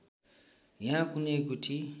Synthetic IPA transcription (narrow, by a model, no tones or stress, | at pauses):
jakunekutʰi